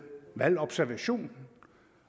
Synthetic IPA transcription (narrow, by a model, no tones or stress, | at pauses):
ʋælɒ̽b̥sæɐʋæɕo̝̰ːn